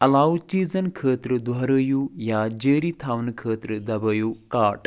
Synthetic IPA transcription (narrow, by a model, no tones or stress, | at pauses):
ɐlaːʋut͡ʃiːzɐnkʰəːt̪ɾɨd̪ʋɐɾəjuːjaːd͡ʒəːɾit̪ʰaːʋnkʰəːt̪ɾɨd̪ɐbəjuːkaːʈ